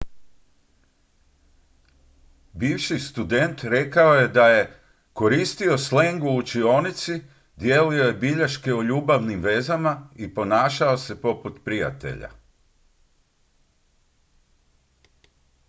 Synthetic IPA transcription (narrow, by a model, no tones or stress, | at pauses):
biːʋʃist̪ud̪e̞nt̪ɾe̞kao̞je̞d̪aje̞ | ko̞ɾiːst̪io̞sle̞ŋɡuːt͡ʃio̞ːnit̪si | d̪jeːlio̞je̞biʎaʃke̞oʎuːbaʋnimʋe̞zamaipo̞naːʃao̞se̞po̞put̪pɾija̰t̪e̞̰ʎa̰